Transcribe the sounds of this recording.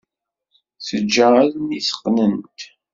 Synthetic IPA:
θəd͡ʒːəaðnisə̥qːnənt̪

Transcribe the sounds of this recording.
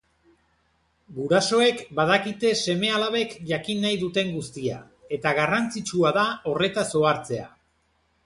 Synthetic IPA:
ɡuɾaso̞e̞kbað̞akit̪e̞se̞me̞alaβe̞kʝakinːajðut̪e̞ŋɡust̪ia̰ | e̞t̪aɣ̞arant͡sit͡ʃuaðao̞re̞t̪aso̞aɾt͡se̞a̰

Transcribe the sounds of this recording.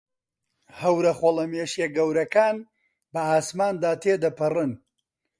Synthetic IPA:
hɐwɾɐχolˠɐmeːʃjeɡɐwɾɐkaːn | bɐaːsmaːnd̪aːt̪ʰeːd̪ɐpʰɨrɨn

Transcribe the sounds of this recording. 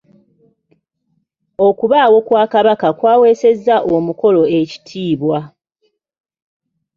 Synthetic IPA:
o̞kuβaːwo̞kwaːkaβakakwaːwe̞ːse̞zːaʔomuko̞lo̞e̞ci̥tʰiːβwa

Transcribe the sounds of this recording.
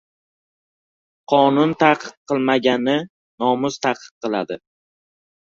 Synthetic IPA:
qʰɒnʊnt̪ʰaqʰɨ̥q̚qʰɨlˠmaɡʲanɪ | nɒmʊzt̪ʰaqʰɨ̥q̚qɨlˠad̪ɪ

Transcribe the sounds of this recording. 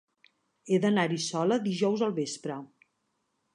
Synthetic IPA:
eðənaɾisɔləðiʒɔwzəlˠβespɾə

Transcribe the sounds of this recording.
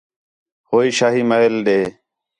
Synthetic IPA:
hoːiːʃaːɦiːmaelɗ̪eː

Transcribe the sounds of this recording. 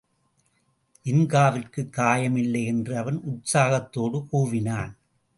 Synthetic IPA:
ʔɪnɡaːʋɪrkɯkːaːjɐmɪlːɐɪɛndrɯɐʋɐnʔʊʈsaːɣɐt̪ːoːɽɯkuːʋɪnaːn

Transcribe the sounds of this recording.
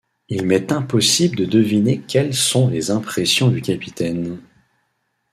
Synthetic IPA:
ilmɛt̪ɛ̃pɔsibləd̪əd̪əvinekʲɛlsɔ̃lezɛ̃pχɛsjɔ̃d̪ykʲapit̪ɛn

